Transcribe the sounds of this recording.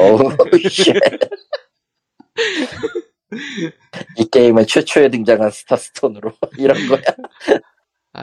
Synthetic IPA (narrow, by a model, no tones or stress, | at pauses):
oɕe | ik͈eimɯɭt͡ɕʰwet͡ɕʰoe̞dɯŋd͡ʑaŋɦansʰɯ̥tʰas͈ɯ̥tʰonɯɾoiɾʌnɡʌja